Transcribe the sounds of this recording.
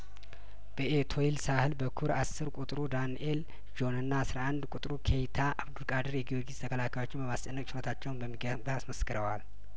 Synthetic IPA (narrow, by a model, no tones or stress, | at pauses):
b̥əʔet̪ʰo̞ilsahɨlbəkʰuɾasːɨɾkʷʼut̪ʼɾud̪anʔel | d͡ʒo̞nɨnːasɾaʔand̪kʷʼut̪ʼɾukʰe̞jt̪ʰaʔaβd̪ulkʼad̪ɨɾjɛɡioɡiz̥t̪ʰəkʰəlakajo̞t͡ʃːɪmbəmast͡ʃʼənːəkʼt͡ʃɪɾət̪ʰat͡ʃːɛwnbəmːiɡ | basməskɨɾəwal